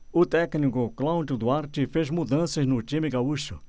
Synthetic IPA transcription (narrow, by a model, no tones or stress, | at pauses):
ʊt̪ɛknikʊklãwd͡ʒʊd̪uaɾt͡ʃɪfezmud̪ɐ̃sɐznʊt͡ʃĩmɪɡauʃʊ